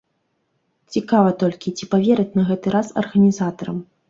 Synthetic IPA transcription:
t͡sʲikavɐt̪ɔlʲkʲit͡sʲipavʲɛɾɐt͡sʲnɐɣɛt̪ɨɾasɐ̰rɣɐnʲizat̪ɐɾɐ̰m

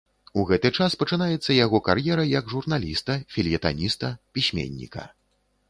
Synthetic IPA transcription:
uɣɛt̪ɨt͡ʂaspɐt͡ʂɨnajɛt̪sːɐjaɣɔkarjɛɾɐjɐɡʐurnalʲist̪ɐfʲilʲjɛt̪anʲist̪ɐpʲisʲmʲḛnʲːḭkɐ̰

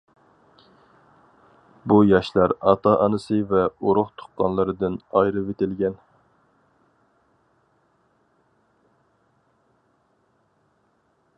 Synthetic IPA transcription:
bujɑʃlˠɑɾɑt̪ɑʔɑnɨsɨvɛoɾʊχt̪ʰo̥χqːɑnlˠɨɾɨd̪ɨnɑjɾɨvet̪ɪlɡʲɛn

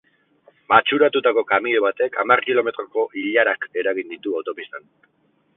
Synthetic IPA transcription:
mat͡ʃuɾat̪ut̪ako̞kamiʎoβat̪e̞kʰamarkilo̞me̞t̪ɾo̞ko̞ʔiʎaɾake̞ɾaɣind̪it̪uawt̪o̞pist̪an

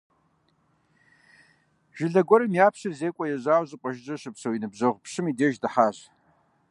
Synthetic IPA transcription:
ʒ̥ɪɮɐɡʷɔɾɐmjaːpʰɕɨrzeːkʷʼɐjɛʑaːwzɨqʷʼɔʒd͡ʒɐʃɨpsowinɨbʑɐʁʷpʰʂɨmideʒdaħaːʒ

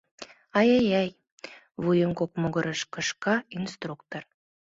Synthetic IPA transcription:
ɑjɑjɑj | βujəŋkok̚moɣɤɾəʃkɤ̆ʃkɑinst̪rukt̪or

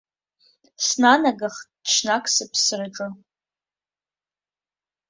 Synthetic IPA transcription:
snanaɡaχtʈ͡ʂnakʷʰsɨpʰsraʈ͡ʂʼɨ

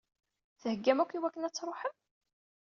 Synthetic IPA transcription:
θəhəɡːæmækʷːiwækːənæt͡sːɾˤoħəm

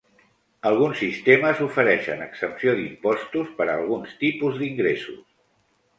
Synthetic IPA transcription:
əlˠɣ̞unsːist̪eməzufəɾɛʃə̰nəksəpsioðimpɔst̪uspəɾəːlˠɣunst̪ipuzd̪iŋɡɾesṵs

